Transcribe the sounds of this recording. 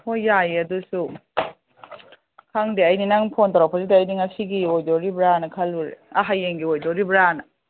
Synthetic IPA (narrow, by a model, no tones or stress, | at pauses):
hojːajiɐdusu | kʰaŋdiɐjninaŋpʰontaɾapʰazidaːjniŋasiɡiojdoɾibɾanɐkʰɐluɾḛaɦajeŋɡiojdoɾibɾanɐ